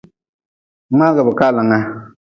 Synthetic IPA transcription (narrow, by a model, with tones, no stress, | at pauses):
ma˦ɣa˨bɨ˨ka˦la˨ŋa˦